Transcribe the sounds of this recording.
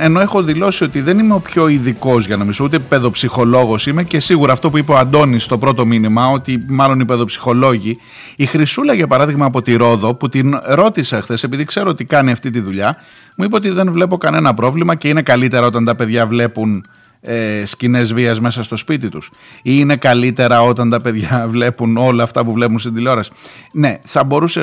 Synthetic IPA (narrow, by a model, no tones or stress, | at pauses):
e̞no̞e̞xo̞ðilo̞sio̞t̪iðe̞nime̞o̞pço̞iðiko̞zʝɐno̞mizout̪epe̞ðo̞psixo̞lo̞ɣo̞sime̞ce̞siɣuɾɐːft̪o̞puipeoɐnd̪o̞nist̪o̞pɾot̪o̞minimɐo̞t̪imɐlo̞nipe̞ðo̞psi̥xo̞lo̞ʝiː | xɾisulɐʝɐpɐɾɐðiɣmɐːpo̞t̪iɾo̞ðo̞put̪inɾo̞t̪isexθe̞se̞piðikse̞ɾoot̪ikɐniɐft̪it̪iðuʎɐ | muipɐot̪iðe̞nvle̞po̞kɐne̞nɐpɾo̞vlimɐce̞ine̞kɐlit̪e̞ɾɐo̞t̪ɐnt̪ɐpe̞ðʝɐvle̞pun | escine̞zviɐzme̞sɐst̪o̞spit̪it̪us | ine̞kɐlit̪e̞ɾɐo̞t̪ɐnt̪ɐpe̞ðʝɐvle̞puno̞lɐːft̪ɐpuvle̞punst̪ind̪ileo̞ɾɐsi̥ne̞θɐbo̞ɾuse